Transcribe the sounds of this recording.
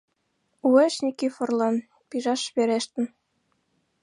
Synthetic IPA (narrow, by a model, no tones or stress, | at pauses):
ueʃnʲikifɤ̆rlɑn | piʒɑʃβeɾeʃt̪ə̆n